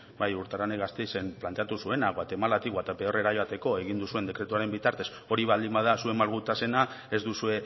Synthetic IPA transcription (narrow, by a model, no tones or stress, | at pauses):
bajuɾt̪aɾaneɣast̪e̞jse̞mplant̪e̞at̪usue̞naɣwat̪e̞malat̪iɣoat̪apeore̞ɾajoat̪e̞ko̞e̞ɣ̞ind̪usue̞nd̪e̞kɾe̞t̪uaɾe̞mbit̪aɾt̪e̞s | o̞ɾiβald̪imbað̞asue̞malɣut̪ase̞na | e̞zd̪usue̞